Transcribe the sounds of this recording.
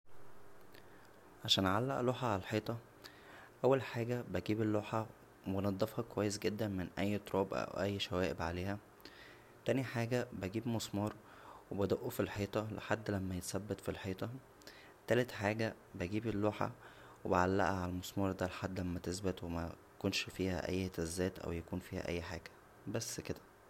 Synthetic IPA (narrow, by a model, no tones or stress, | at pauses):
ʕaʃæːnʕalːæʔloːħɑʕalælħeːt̪ˤɑ | ʔæwːælħaːɡæbæɡiːbelːoːħɑ | benɑd̪ˤːɑfhɑkowæjːes̬ɡed̪ːænmenʔæjːt̪ɾˤɑːbʔæ̰wʔæjːʃæwæːʔebʕaleːhæ | t̪æːniħaːɡæbæɡiːbmosˤmɑːɾˤ | webæd̪oʔufilħeːt̪ˤɑlḛħad̪ːlæmːæjet̪sæbːet̪filħeːt̪ˤɑ | t̪ælet̪ħaːɡæ | bæɡiːbelːoːħa̰ | webeʕalːæ̰ʔæʕalæmosˤmɑːɾˤd̪ælħad̪ːlæmːæt̪esbet̪wemæ | konʃfiːhæ̰ʔæ̰jːhet̪æzːæːt̪ʔæ̰wjækuːnfiːhæ̰ʔæ̰jːħaːɡ̥æ̥ | bæsːked̪æ̥